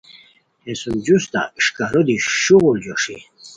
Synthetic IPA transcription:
esud͡ʑust̪a̰ʂkaɾod̪iɕuɣuld͡ʑoʂḭ

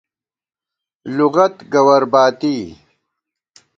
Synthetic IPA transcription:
luɣɐt̪ɡɐwɐɾbaːt̪iː

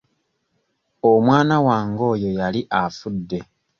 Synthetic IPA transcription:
omwaːnawaːŋɡo̞ːjo̞jaliʔafudːe̞

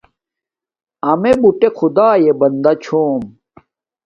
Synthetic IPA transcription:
ɐmebuʈekʰud̪aːjebɐnd̪ɐt͡ɕʰoːm

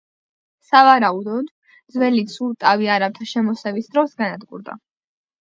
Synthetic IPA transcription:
savaɾaud̪ɔd̪ | d̪zwɛlisulˠt̪ʼaviaɾap̚t̪ʰaʃɛmɔsɛvisd̪ɾɔsɡanad̪ɡṵɾd̪a̰

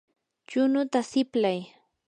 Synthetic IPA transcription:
t͡ʃʊnʊt̪asɪplaj

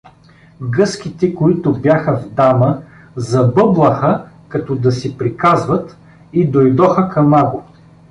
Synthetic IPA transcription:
ɡɤsk̟it̪ɛkoit̪ʊbjaxɐvd̪amə | zɐbɤblˠɐxəkɐt̪ɔd̪ɐsɛpɾikazvɐt̪ | id̪ojd̪ɔxəkɐmaɡo

